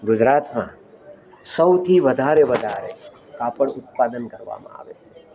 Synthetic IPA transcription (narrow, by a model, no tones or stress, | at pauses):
ɡʊd͡ʒɾaːt̪mã̰ | səwt̪ʰiʋəd̪ʱaːɾeʋəd̪ʱaːɾḛ | kaːpəɽʊt̪̚paːd̪ənkəɾʋa̰ːmã̰a̰ːʋet͡ʃʰe̥